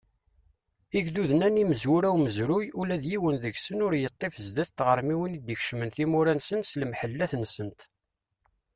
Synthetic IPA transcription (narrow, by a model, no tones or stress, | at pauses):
iʝðuðənæniməzwuɾæwməzɾujulæðjiwənðəɡsənʊɾjət̪ˤːefəzd̪æθt̪ʁəɾˤmiwinid̪əçʃmənθimuɾænsənslmħəlːæθnsənt̪